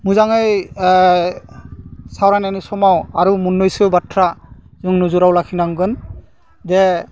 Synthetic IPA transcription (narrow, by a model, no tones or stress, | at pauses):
mujzaŋɯj | sawɹananisɔmawaɹumunːɔjsɯbatʰɹa | zɯŋnuzuɾawlakʰinaŋɡɯn | dɛ